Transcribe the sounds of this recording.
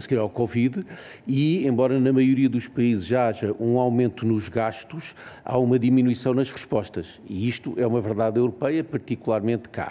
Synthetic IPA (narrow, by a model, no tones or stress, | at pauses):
sɣiɾawkɔvið | iẽmbɔɾɐnɐmɐjuɾiɐðuʃpɐizɨʒaaʒɐʔũawmẽnt̪unuʒɣaʃt̪uʃa̰umɐðiminwisɐ̃w̃nɐʃʁɨʃpɔʃt̪ɐʃiiʃt̪uʔɛumɐvɨɾðaðewɾupɛjɐpɐɾt̪ikulˠaɾmẽnt̪ka̰